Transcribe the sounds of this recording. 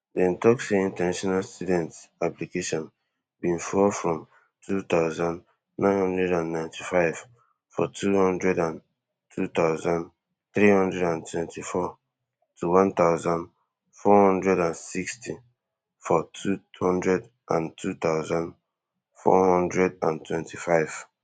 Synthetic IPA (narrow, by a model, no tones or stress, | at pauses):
dɛ̃ntɔkseĩntɛnaʃɔnalstudɛ̃ntaplikeʃɔ̃n | bĩnfɔfɹɔ̃m | tʰut̪aʊzãn | nãɪ̃nhɔ̃ndɹɛdãnːãɪ̃ntʰifaɪv̥ | fɔ̰tʰuhɔ̃ndɹɛdãn | tʰut̪aʊzãn | θɹihɔ̃ndɹɛdãntʰwɛ̃ntʰifɔ | tʰuwɔ̃nt̪aʊzãnd | fɔhɔ̃ndɹɛdãnsikstʰi | fɔtʰuhɔ̃ndɹɛd | ʔãntʰut̪aʊzãn | fɔ̰hɔ̃ndɹɛdã̰ntʰwɛ̃ntifaɪv̥